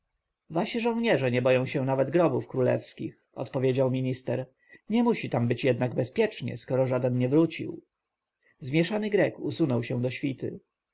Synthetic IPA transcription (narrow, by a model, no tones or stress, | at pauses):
vaɕiʐɔ̃w̃ɲɛʐɛɲɛbɔjɔ̃w̃ɕɛnavɛd̪ɡɾɔbufkɾulɛ̰fskʲḭx | ɔ̰t̪pɔvʲjed͡ʑawmʲiɲist̪ɛɾ | ɲɛmuɕit̪ambɘt͡ɕjɛd̪naɡbɛspʲjɛt͡ʂɲɛ̰skɔɾɔʐad̪ɛnɲɛvɾut͡ɕḭw | zmʲjɛʂanɘɡɾɛkusunɔwɕɛ̃d̪ɔɕfʲit̪ɘ̰